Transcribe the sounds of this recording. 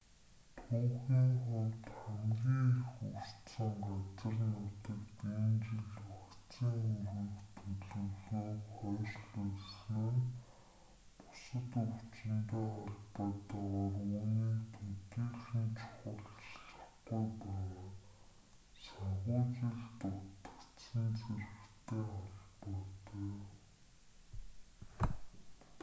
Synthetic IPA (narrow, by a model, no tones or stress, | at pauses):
t̪ʰuːχiːŋχʊmt̪χæmɡʲiːŋxur̥t̪sə̆ŋɢat͡sə̆rnʊt̪ə̆kt̪eːnt͡ɕɪ̆ɮakt͡siːŋurɘ̆kt̪ʰɵɮɵ̆ɮuːχœːrɮuɮsneːr | pʊ̥sə̆t̪uwt͡ɕɪ̆nt̪eːaɮpɔːt̪aʁaruːniːt̪ʰut̪iːɮxĭnt͡ɕʰʊ̥χə̆ɮt͡ɕɮə̆χɡujpæːʁaː | saɴχʊːt͡ɕĭɮt̪ʊt̪ə̥̆kt͡sə̆nt͡sʰerɘ̆xt̪ʰeːɔɮpɔːt̪e